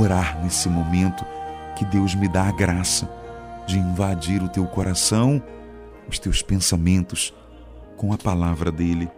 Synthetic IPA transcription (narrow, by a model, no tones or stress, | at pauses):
oɾaɾnesɪmomẽnt̪ʊ̥kɪd̪ewzmɪd̪aɡɾasɐd͡ʒɪĩvad͡ʒiɾʊt̪ewkoɾʔasɐ̃w̃ | ʊst̪ewspẽsamẽnt̪ʊs | kõw̃ɐpalavɾɐd̪elɪ